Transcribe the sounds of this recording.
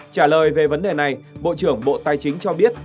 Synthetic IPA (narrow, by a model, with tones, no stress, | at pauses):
t͡ɕaː˧˩ləː˨˩jve˨˩və˨˦nɗe˨˩na˨˩jɓo̰˧˨t͡ɕɨ˧˩əŋɓo̰˧˨t̪aː˧˩jt͡ɕï˨˦ŋ̟t͡ɕɔ˧ɓi˦˥ət̚